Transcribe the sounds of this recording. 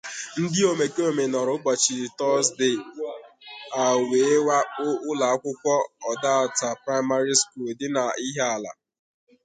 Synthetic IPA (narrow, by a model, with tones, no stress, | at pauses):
n̩˦dɪ˦o˨me˨ke˦o˨me˨nɔ˨ɾʊ˨˦k͡pa˨t͡ʃi˨tɔ˦sdɪ˨ | a˨we˨e˦wa˦ʊ˦ʊ˦la˨a˦kʷʊ˦kʷɔ˦ɔ˨da˦a˨ta˨pɾa˦ɪ˦ma˦ɾi˦sku˦˨ldɪ˦na˨i˦ɦe˦a˨la̰˨